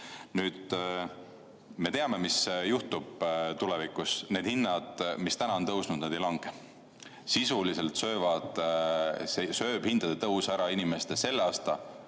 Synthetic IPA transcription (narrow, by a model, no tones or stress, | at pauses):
nyːd̪̥ | me̞t̪e̞ɑme̞misjuht̪ub̥̚t̪ulevikˑusne̞ːd̪hinːɑd̪̥mist̪ænɑo̞nt̪ɤwsnud̪ned̪e̞jlɑŋɡ̥e | sisulise̞lt̪sø̞ːvɑd̪̥ | sesø̞ːb̥hind̪̥ɑd̪̥et̪ɤwsæɾɑinimest̪ese̞lːeɑːst̪ɑ